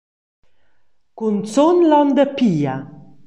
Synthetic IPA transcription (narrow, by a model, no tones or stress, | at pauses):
kunt͡sonlɔnd̪əpiːa̰